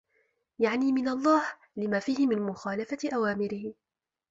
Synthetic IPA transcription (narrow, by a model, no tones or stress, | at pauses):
jaʕniːmɪnalˤːɑːh | lɪmaːfiːhɪmɪnmʊxaːlafatʔawaːmɪɾɪhɪ